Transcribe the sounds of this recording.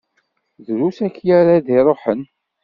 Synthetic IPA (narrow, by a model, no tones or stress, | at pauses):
ðɾusækːjaɾaðiɾˤoħən